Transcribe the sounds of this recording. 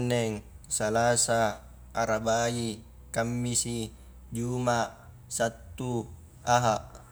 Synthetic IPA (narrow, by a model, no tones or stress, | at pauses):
nːɛŋsalasaː | ɾabai | kamːisi | d͡ʒumaʔ | sat̪ːu | aɦaʔ